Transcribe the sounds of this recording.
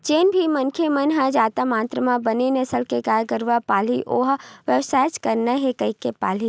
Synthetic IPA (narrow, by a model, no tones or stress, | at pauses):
t͡ʃeːnbʱimənkʰemənɦɐd͡ʒaːt̪amaːnt̪ɾəmãbənenesəlkekaːjkəɾʋapaːliʔoːɦʋəʋsaːt͡ʃkəɾnaɦekəikepa̰ːli